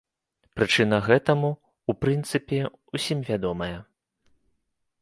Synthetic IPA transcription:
pɾɨt͡ʂɨnɐɣɛt̪ɐmu | upɾɨnt̪sɨpʲɛ | usʲimvʲad̪ɔmɐjɐ

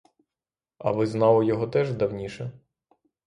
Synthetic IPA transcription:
ɐ̰ʋɪznɑlˠɔjɔɦɔt̪ɛʒd̪ɐwnʲiʃɛ

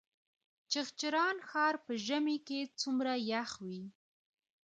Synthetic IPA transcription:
t͡ʃəxt͡ʃɪɾɑnxɑɾpəʒəmiket͡sumɾajaxwi

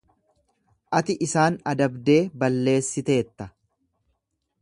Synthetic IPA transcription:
ʔɐt̪ɪʔɪsaːnɐd̪ɐbd̪e̞ːbɐlːe̞ːsːɪt̪e̞ːt̪ːɐ

